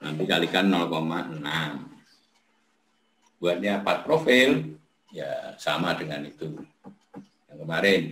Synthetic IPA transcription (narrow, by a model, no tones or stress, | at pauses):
namp̪ikalikanːɔlkomaʔənaŋ | b̥uat̪̚ɲapat̪̚pɾofɪl | ja̰sa̰madəŋanit̪u | jaŋkəmaɾɛn